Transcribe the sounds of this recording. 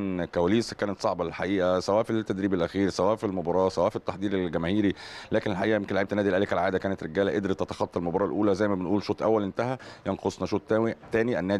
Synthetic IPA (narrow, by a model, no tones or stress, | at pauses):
nkæwæliːskæːnæt̪sˤɑʕbɑlelħaʔiːʔæsæwæːʔfit̪ːæd̪ɾiːbelʔæxiːɾsæwæːʔfilmobɑɾˤɑːsæwæːʔfit̪ːaħd̪ˤiːɾelɡæmæːhiːɾilæːkenelħaʔiːʔæjemkenlʕeb̚t̪ænæːd̪ilʔælekælʕaːd̪ækæːnet̪ɾeɡæːlæʔed̪ɾit̪ːæt̪ɑ̥xɑt̪ˤːɑlmobɑɾˤɑːlʔuːlæzæjmæbenʔuːlʃoːt̪ˤʔæ̰wːælʔent̪æhæjenqosˤnɑʃoːt̪ːæːwit̪æːniʔænːæː